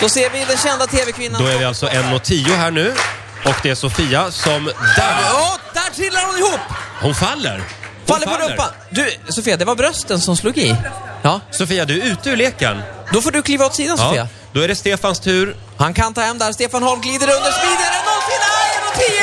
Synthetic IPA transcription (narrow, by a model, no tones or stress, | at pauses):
d̪̥ɔseːɾvɪd̪ɛnɕɛnd̪at̪ʰeːvɛkʰvɪnːad̪ɔævɪalt̪sɔʔɛnːɔt̪ʰiːʊɦæːɳʉ̟ː | ɔkd̪ɛæʂʊfiːasɔmd̪æɔd̪̥æʈʰɪlːaɾhʊnɪhuːpːhʊnfalːə̰ɾ | falːəɾpɔlɾɵpːa | d̪ɵsʊfiːad̪ɛvaɾbɾœst̪ənsɔmsluːɡɪjɑːsʊfiːad̪ɵʉ̟ːt̪əʉleːkə̰ɳd̪ɔfoːɖɵkʰliːvaɔt̪siːd̪ansɔḭːa̰ | d̪ɔæɖɛst̪eːfanst̪ʰʉ̟ːɾ | hankʰant̪ʰɑːɦɛmːd̪æɾst̪eːfanhɔɾmɡliːd̪əɾɵnd̪əɾʂpiːd̪əɾənɔnt̪ɪŋɛnɔt̪ʰːi